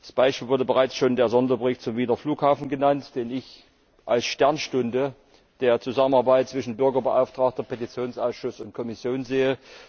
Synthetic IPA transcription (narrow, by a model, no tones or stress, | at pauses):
asb̥aɪʃpiːlvʊɐdəbəʁaɪt͡sʃoːndeːɐzɔndɐbəʁɪçtt͡sʊmviːdɐfluːkhaːfn̩ɡənantd̥eːnɪç | ʔalsʃtɛɐnʃtʊndə | d̥eːɐt͡suzamənaɐbaɪt̚t͡sv̥ɪʃn̩bʏɐɡɐbəʔa̰ʊftʁ̥aːk̚tɐpʰetit͡sjoːnsʔaʊsʃʊsʊnt̚kʰɔmɪsjoːnzeːə